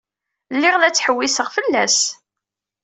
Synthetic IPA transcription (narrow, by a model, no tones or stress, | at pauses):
lːɪʁlæt͡sːħəwːisəʁfəlːæs